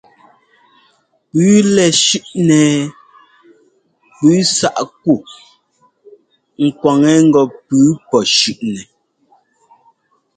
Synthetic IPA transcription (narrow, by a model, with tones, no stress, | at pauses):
pʉː˨˦lɛ˨ʃʉ˦ʔnɛː˨ | pʉː˨˦sa˦˨ʔk̚u˦˨ | ŋ̩˨kwa˨ŋɛ˨˦ŋ̩˦ɡɔ˨pʉː˨˦pɔ˨ʃʉ˨ʔnɛ˨